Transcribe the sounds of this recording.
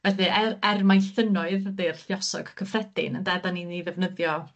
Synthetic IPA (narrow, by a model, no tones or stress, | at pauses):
vɛθɨʔɛɛrmajθənɔɨððɪrɬjɔsɔ̰ɡ̥kʰəfrɛd̥ɪ̰nəndɛdaniniðɛvnəðjɔ